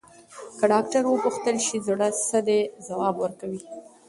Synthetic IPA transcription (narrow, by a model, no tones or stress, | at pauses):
kaɖɑkʈaɾwəpuxt̪əlʃizuɽasəd̪ezawɑbwəɾkawi